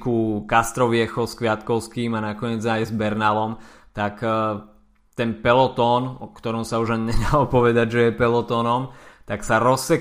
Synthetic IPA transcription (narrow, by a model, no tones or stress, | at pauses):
kukast̪ɾɔʋɪɛxɔskʋɪat̪kɔʊskiːmanakɔɲɪɛd͡zajzbɛɾnalɔm | t̪ak | t̪ɛnpɛlɔt̪ɔːnɔkt̪ɔɾɔmsauʒaɲɲɛd̪alɔpɔʋɛd̪aɟʒɛjɛpɛlɔt̪ɔnɔmt̪aksaɾɔsːɛ